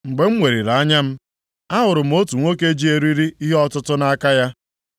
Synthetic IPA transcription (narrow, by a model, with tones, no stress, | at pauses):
ŋ͡m̩˨ɡ͡be˨ŋ͡m̩˦ŋʷe˨ɾi˨ɾa˨a˦ɲa˦m̩˦ | a˦ɦʊ˨ɾʊ˨m̩˨˦o˦tu˨ŋʷo˦ke˦d͡ʒi˦e˨ɾi˦ɾi˦i˦ɦe˦ɔ˦tʊ˦tʊ˦na˦ka˦ja˦